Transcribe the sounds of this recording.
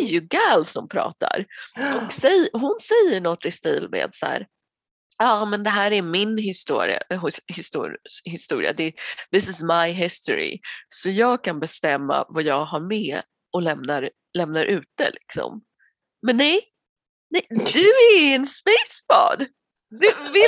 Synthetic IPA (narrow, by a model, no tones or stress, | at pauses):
æjɵɡæːlsɔmpʰɾɑ̰ːt̪ʰa̰ɾɔksɛjɦʊnsɛjːəɳɔt̪ːɪst̪iːlmḛːd̪sæ̰ːɾ | ɑːmɛnd̪ɛɦæːɾæɾmɪnɦɪst̪ṵːɾɪ̰a̰ɦhɪst̪uhɪst̪uːɾɪ̰a̰d̪ɛðɪsɪsmajɦɪst̪ɔɾɪ̰sɔjɑːɡ̚kʰanbɛst̪ɛmːa̰vajɑːɡɦaɾmɛː | ɔlɛmnaɾ | lɛmnaɾʔʉ̟ːt̪ə̰lʔɪksɔ̰m | mɛnːɛj | nɛjd̪ɵæɛnsmɛjt̪sbɑ̰ːd̪ | d̪ɛvɪ